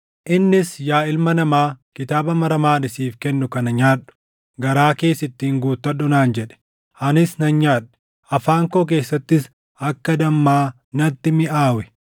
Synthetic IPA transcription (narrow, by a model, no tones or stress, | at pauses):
ʔɪnːɪsjaːɪlmɐnɐmaːkɪt̪aːbɐmɐɾɐmaːnɪsiːfkɛnːʊkɐnɐɲaːᶑʊ̥ | ɡɐɾaːke̞ːsɪt̪ːiːŋɡuːt̪ːɐɗʊnaːnd͡ʒɛᶑɛ̥ | ʔɐnɪsnɐnɲaːᶑːɛ̥ | ɐfaːŋkoːk̬e̞ːsːɐt̪ːɪs | ɐkːɐd̪ɐmːaː | nɐt̪ːɪmɪʔaːwɛ